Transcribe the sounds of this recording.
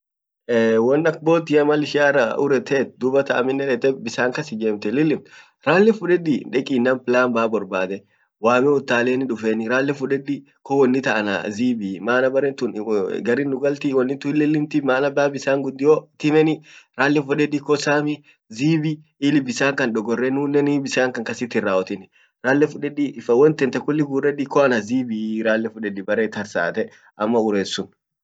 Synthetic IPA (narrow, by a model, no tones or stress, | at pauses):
eːwɔnːɐk̚boːt̪ːɪjɐmalɪʃɪaːraʔʊ̰ɾɛt̪ɛːt̪̚d̪ʊbɐt̪ʰɐʔɐ̰mɪnːɛᶑɛt̪ɛbɪsaːŋkɐsɪd͡ʒeːmt̪ɛlːɪlːɪmt̪ | ɾaːlːɛfʊᶑɛd̪ɪᶑɛkʼiːnːampɪlaːnbaːbɔɾbaːd̪ɛ | waːmɛʊt̪ːaːleːnɪᶑʊfenɪɾaːlːɛfʊᶑɛd̪ɪ | kɔwɔnːɪt̪ɐʔɐna̰ziːbimaːnɐbɐɾɛt̪ʊnɡɐɾinːʊɡɐlt̪ɪwɔnːɪt̪ʊɪlːɛlːɪnt̪ɪmaːnɐbaːbɪsaːŋɡʊd̪ːɪjot̪ɪmɛnɪɾaːlːɛfʊᶑɛdɪkɔsaːmi | ziːbi | iːlɪbɪsaːŋkɐnᶑɔɡɔrːɛnuːnːɛniːbɪsaːŋkɐŋkɐsɪt̪ːɪrːaːɔt̪ɪnɪ | ɾaːlːɛfʊᶑɛᶑifɐwɔnt̪ɛnt̪ɛkʊlːɪɡuːrɛᶑikɔɐnɐziːbiɾaːlːɛfʊᶑɛᶑɪbɐɾeːt̪ɐɾsa̰ːt̪ɛ | ɐmːɐʊɾeːsːʊn